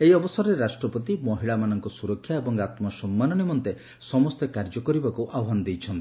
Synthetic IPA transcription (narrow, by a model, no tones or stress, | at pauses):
eiɔbɔsɔɾɔɾeɾasʈɾɔpɔt̪imɔɦiɭamanɔŋkɔsuɾɔkʰːjaebɔŋɡat̪mɔsɔmːanɔnimɔnt̪e | sɔmɔst̪ekaɾd͡ʒɔkɔɾibakuʔabɦand̪ejt͡ʃʰɔnt̪i̥